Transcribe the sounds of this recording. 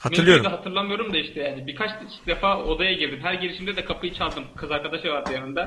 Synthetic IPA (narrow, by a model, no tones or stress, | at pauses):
hamlˠɯoɾd̪ɛɦat̪ʰɯɾlˠamɯjo̞ɾumd̪aiʃt̪ʰɛjaːnibiɾkʰat͡ʃ̪ʰ | d̪efaːo̞d̪ajaɟiɾd̪imɦæɾɟeliʃimd̪ɛd̪ɛkʰapʰɯjɯt͡ʃʰalˠd̪ɯmkʰɯzaɾkʰad̪aʃɯvaɾd̪ɯjanɯnd̪a